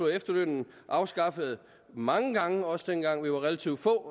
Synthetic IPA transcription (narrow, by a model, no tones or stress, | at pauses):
oefd̥ɐd̥ønn̩ | ʔɑ̈ʊsɡ̥ɑ̈fəð̩ˠ | mɑ̈ŋəɡ̥ɑ̈ŋəɒ̽sd̥enɡ̥ɑ̈ŋ̰ʋiʋɑ̈ʁɛlæt͡sʰḭʊd̥fɔ̰ː